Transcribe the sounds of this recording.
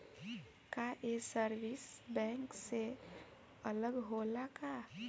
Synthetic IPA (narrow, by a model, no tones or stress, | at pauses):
kaʔesəɾwisbɛ̃ːŋkse | ələɡɦolaka